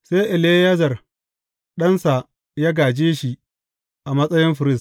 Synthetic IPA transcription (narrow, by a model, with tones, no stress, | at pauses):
seː˦ʔɪ˨le˦jɐ˦zɐ˨r | ɗɐ˦nsa˨ | jaː˦ɡaː˨d͡ʒeː˦ʃi˨ | ʔa˨mɐ˦sʼɐ˦jɪ˦mɸɪ˨ɾɪ˦s